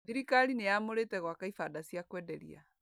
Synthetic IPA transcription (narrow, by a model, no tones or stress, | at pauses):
ðiɾikaɾinejamoɾetɛɣwakaifadasiakwɛːdɛɾḭa̰